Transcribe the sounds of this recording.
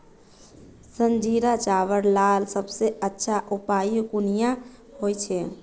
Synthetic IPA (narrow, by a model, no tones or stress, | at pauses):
sənd͡ʒiɾat͡ʃaʋəɾlalsəbseətːʃʰaʔupajkunija | ɦojt͡ʃʰɛ